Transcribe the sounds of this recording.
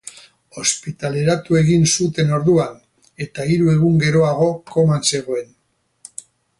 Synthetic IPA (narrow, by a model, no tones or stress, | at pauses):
o̞spit̪ale̞ɾat̪ue̞ɣinsut̪e̞no̞ɾðuan | e̞t̪aiɾue̞ɣ̞uŋɡe̞ɾo̞aɣo̞ko̞manse̞ɣ̞o̞e̞n